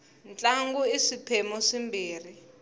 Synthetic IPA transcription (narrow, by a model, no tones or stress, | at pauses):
nt͡ɬʼaŋɡuisipʰɛmɔsimbʱiːri